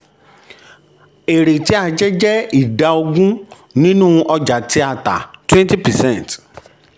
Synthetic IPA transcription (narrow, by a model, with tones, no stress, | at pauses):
e˨ɾe˨ti˨˦a˦˧d͡ʒɛ˦d͡ʒɛ˦i˦˨da˧o˧ɡũ˦ | nĩ˦nũː˦˧ʔɔ˧d͡ʒa˨ti˧˦a˦˨ta̰˨twɛ̃˦nti˦pɛ˨sɛ̃˦˨nt